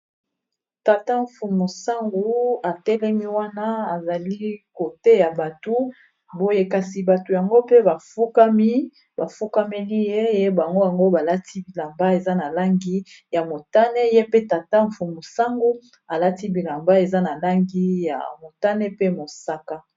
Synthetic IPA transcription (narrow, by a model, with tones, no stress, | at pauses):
ta˨ta˦ɱ̩˨fu˨mo˨sa˦ŋɡu˦a˨tɛ˦lɛ˦mi˦wa˦na˦a˨za˨li˦ko˨te˦ja˨ba˨tu˦ | bo˦je˦ka˨si˨ba˨to˨ja˨ŋɡo˦pe˦ba˨fu˦ka˦mi˦ | ba˨fu˦ka˦me˦li˦je˦je˦ba˨ŋɡo˦ja˨ŋɡo˦ba˨la˦tʰi˦bi˨la˨mba˦e˨za˦na˨la˦ŋɡi˦ | ja˨mo˨ta˦nɛ˦je˦pe˦ta˨ta˦ɱ̩˨fu˨mo˨sa˦ŋɡu˦ | a˨la˦ti˦bi˨la˨mba˦e˨za˦na˨la˦ŋɡi˦ja̰˨mo˨ta˦nɛ˦pe˦mo˨sa˦ka˦